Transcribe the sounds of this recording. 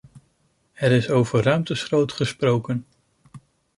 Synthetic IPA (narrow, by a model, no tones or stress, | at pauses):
ɛɾɪsowvərœɥmtəsrowtχəsprowkən